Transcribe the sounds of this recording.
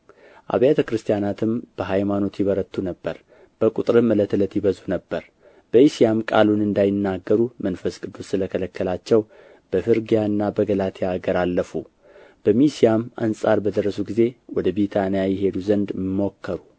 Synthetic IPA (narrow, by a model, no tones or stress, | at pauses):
ʔa̰βjat̪ʰəkɾɨst̪ʰijanat̪ʰɨmb̥əɦajmano̞t̪jɪβəɾət̪ʰːunəbːəɾ | b̥əkʼut̪ʼɾɨmɨlət̪ʰlət̪jɪβəzunəbːəɾ | b̥əisijamkʼa̰lunɨnd̪ajɪnːaɡːəɾumənfəskʼɨd̪ːussɨləkʰələkʰːəlat͡ʃːɛw | b̥əfɨɾɡijaɨnːabəɡəlat̪ʰejaɡəɾalːəfu | b̥əmisijama̰nsʼaɾbəd̪əɾːəsuɡize̞wɔd̪əbit̪ʰanijajɛɦe̞d̪uzənd̪mːo̞kʰːəɾu